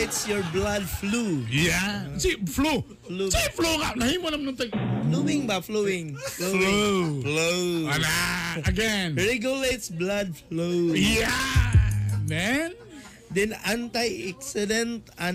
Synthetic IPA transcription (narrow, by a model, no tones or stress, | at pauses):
t̪sjɔɹblad̚flujasiflu | flusifloŋaʔnahimonamnɔmt̪ɛŋflowĩŋbafloɪ̃ŋflõfloanaəɡɛnɹɛɡjulet̪sblad̚floja | mɛn | d̪ɛ̃nãnt̪ajɛksɛdɛ̃nt̪ã